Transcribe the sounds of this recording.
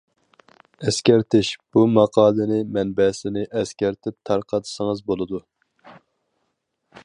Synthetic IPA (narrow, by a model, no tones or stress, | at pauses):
ɛskʲɛɾt̪ʰɪʃb̥umɑqʰɑːlˠɨnɪmɛnbɛsɪnɪʔɛskʲæɾt̪ʰɪp̚t̪ʰɑɾqɑt̪ʰsəŋɨzbolˠɨd̪u